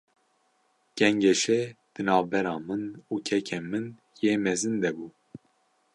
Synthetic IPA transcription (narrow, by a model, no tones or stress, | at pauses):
ɡ̥ɛŋɡɛʃɛd̪̥ɨnɑːvbɛɾɑːmɨnuːcʰɛkʰemɨn | jeːmɛzɨnd̪ɛbuː